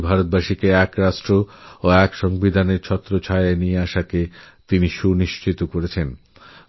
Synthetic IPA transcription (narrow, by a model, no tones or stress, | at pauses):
bʱaɾot̪̚baʃikeɛkɾaʃʈɾooɛkʃɔŋbid̪ʱaneɾt͡ɕʰɔt̪ːɾot͡ɕʰajanijeaʃake | t̪iniʃuniʃt͡ɕit̪okoɾet͡ɕʰen